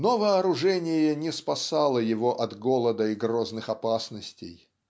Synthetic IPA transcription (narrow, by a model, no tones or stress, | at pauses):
novəɐɾʊʐɛnʲɪjənʲɪspɐsalˠəjɪvoʔɐd̪ɡolˠəd̪əɪɡroznɨxɐpasnəsʲtʲɪ̰j